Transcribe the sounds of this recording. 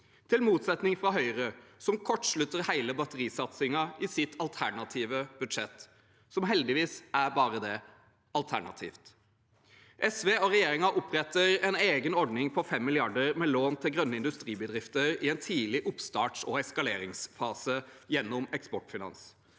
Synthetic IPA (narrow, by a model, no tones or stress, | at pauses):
t̪ʰɪlmuːt̪sɛt̪nɪŋfɾɑɦœʏɾəsɔmkʰɔʈːʂɭʉt̪ːəɾhæɪləbɑt̪əɾiːsɑt̪sɪŋɑɪsɪt̪ʰɑlt̪ʰæɳɑt̪ʰiːʋəb̥ʉd̪ʂɛt̪ː | sɔmɦɛld̪ɪʋiːsæɾbɑːɾəd̪ɛ | ɑlt̪ʰæɳɑ̰t̪ʰḭːft̪ | ʔɛsʋeːɔɾɛjeːɾɪŋɑʔʊpːɾɛt̪ːəɾɛneːɡənɔɖnɪŋpʰɔfɛmːɪlɪɑɖəɾmɛloːnt̪ʰɪlɡɾœnːəɪnd̪ʉst̪ɾiːbəd̪ɾɪft̪əɾɪɛnt̪ʰiːlɪʔʊpst̪ɑːʈʂɔɛskɑleːɾɪŋsfɑːsəjɛnːɔmɛkspɔʈfɪnɑ̰ns